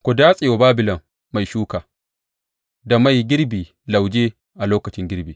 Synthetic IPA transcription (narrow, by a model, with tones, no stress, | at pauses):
kʷo˨daː˦sʼɪ˨jo˨baː˦bɪ˨lɐ˨m | ma˨jʃuː˦kaː˨ | da˨ma˦˨jɡʲɪ˦ɾbiː˨ | la˨wd͡ʒeː˦ | ʔa˨loː˦kɐ˨t͡ʃɪ˦ŋɡʲɪ˦ɾbiː˨